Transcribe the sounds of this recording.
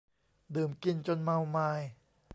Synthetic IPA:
dɯː˨˩mki˧nt͡ɕo˧nma˧wmaː˧j

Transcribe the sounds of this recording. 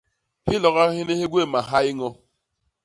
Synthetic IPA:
hɪ˦lɔ˨ɣa˦ɦɪ˦ne˦ɦe˦ɡʷe˦˨ma˨ɦa˦ɪ˦ŋɔ˦

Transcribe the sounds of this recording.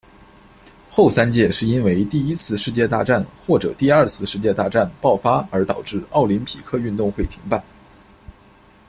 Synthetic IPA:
xo˥˩ʊsa˥nt͡ɕjɛ˥˧ʂɻ̩˥˩i˥nwe˧˥ɪt̪i˥˩i˥t͡sʰɹ̩˥˧ʂɻ̩˥˧t͡ɕjɛ˥˧t̪a̰˥˧ʈ͡ʂa˥˩nxwɔ˥˩ʈ͡ʂɤ̰˨˩t̪i˥˧ɐ˞˥˧t͡sʰɹ̩˥˧ʂɻ̩˥˧t͡ɕjɛ˥˧t̪a˥˧ʈ͡ʂa˥˩npɑ˥˩ʊfa˥ə˞˧˥t̪ɑ˨˩ʊʈ͡ʂɻ̩˥˩ɑ˥˩ʊli˧˥npʰḭ˨˩kʰɤ˥y˥˧nt̪ʊ˥˧ŋxwe˥˩ɪt̪ʰi˧˥ŋpa˥˩n

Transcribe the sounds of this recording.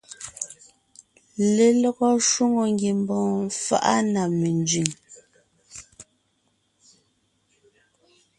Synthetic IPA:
le˨lɔ˦ɣɔ˦ʃwo˦ŋo˨ŋ˦ɡje˨mbɔ̃ː˨fa̰˦ʔa̰˦na˨me˨nd͡zɥi˨ŋ

